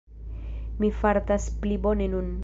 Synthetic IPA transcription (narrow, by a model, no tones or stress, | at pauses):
mifaɾtasplibo̞ne̞nun